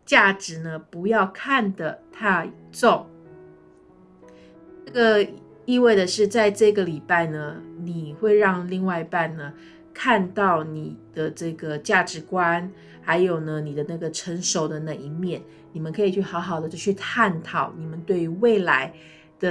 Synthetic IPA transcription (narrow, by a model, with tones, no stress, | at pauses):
t͡ɕja˥˩ʈ͡ʂɻ̩˧˥nə˧pu˧˥jɑ˥˧ʊkʰa˥˩nd̪ə˩t̪ʰa˥˧t͡so˥˩ŋ | nə˥˩ɡə˩ | i˥˧we˥˩ɪd̪ə˩ʂɻ̩˥˧t͡sa˥˧ɪʈ͡ʂɤ˥˩ɡə˩li˨˩pa˥˩ɪnə˩ni˨˩xwe˥˧ɪɻɑ˥˧ŋli˥˧ŋwa˥˧ɪi˧˥pa˥˧nnə˩ | kʰa˥˧nt̪ɑ˥˩ʊni˨˩d̪̥ə˦ʈ͡ʂɤ˥˩ɡə˩t͡ɕja˥˩ʈ͡ʂɻ̩˧˥kwa˥n | xa˧˥ɪjo˨˩ʊnə˦ni˨˩d̪ə˦na˥˩ɡə˩ʈ͡ʂʰə˧˥ŋʂo˨˩ʊd̪ə˧na˥˧˩i˧˥mjɛ˥˩n | ni˨˩mə˦nkʰɤ˧˥i˨˩t͡ɕʰy˥˩xɑ˧˥ʊxɑ˨˩ʊd̪ə˦t͡ɕjo˥˧ʊt͡ɕʰy˥˧t̪ʰa˥˩nt̪ʰɑ˨˩˦ʊni˨˩mə˦nt̪we˥˧ɪy˧˥we˥˩ɪla˧˥ɪ | d̪̥ə˧